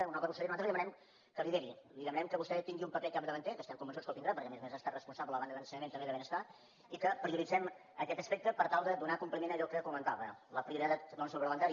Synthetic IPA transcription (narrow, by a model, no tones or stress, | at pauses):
əunalt̪ɾβust̪ɛɾinuat̪əliðəmənɛm | kəliðeɾiliðəmənɛmkəβust̪ɛt̪iŋɡiumpəpɛkap̚d̪əβənt̪ɛkəst̪ɛmkumbənsut͡skəlt̪ind̪ɾapəɾkɛəmezmezaəst̪arəspunsabləəβand̪əðənsəɲəment̪əmbeðəβenəst̪a | ikəpɾiuɾid͡zɛm | əkɛt̪əspɛk̚t̪əpəɾt̪alˠd̪əd̪unakumplimenəʎɔkəkumənt̪aβələpɾiuɾit̪at̪nonsulβɾəβənt̪aɾ